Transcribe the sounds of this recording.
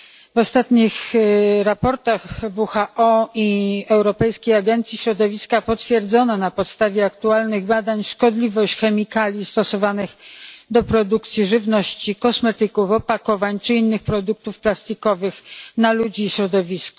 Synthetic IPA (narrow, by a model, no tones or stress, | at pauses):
vɔst̪at̪ɲixɾapɔɾt̪aɣvuxaʔɔiɛwɾɔpɛjskʲejaɡɛnt̪sʲjiɕɾɔd̪ɔvʲiskapɔt̪fʲjɛɾd̪zɔnɔnapɔt̪st̪avʲjɛakt̪ualnɘɣbad̪aɲʂkɔd̪lʲivɔɕt͡ɕxɛmʲikalʲjist̪ɔsɔvanɘxd̪ɔpɾɔd̪ukt̪sʲjiʐɘvnɔɕt͡ɕikɔsmɛt̪ɘkufɔpakɔvaɲt͡ʂɘinːɘxpɾɔd̪uk̚t̪ufplast̪ikɔvɘxnalud͡ʑiːɕɾɔd̪ɔvʲiskɔ̥